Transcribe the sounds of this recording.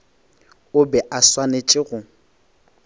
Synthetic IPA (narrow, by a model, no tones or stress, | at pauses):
ʊbɛʔaswanet͡ʃʼɪɣʊ